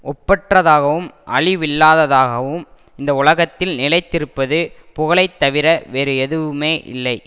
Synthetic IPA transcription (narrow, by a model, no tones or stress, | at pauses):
ʔɔpːɐʈrɐðaːɣɐʋɯmʔɐ̰ɭɪʋɪlːaːðɐðaːɣɐʋɯm | ɪnd̪ɐʊɭɐɣɐt̪ːɪlnɪlɐɪt̪ːɪɾɯpːɐðɯpʊɣɐɭɐɪt̪ːɐʋɪɾɐʋeːɾɯɛðɯʋɯmeːʔɪ̰lːɐɪ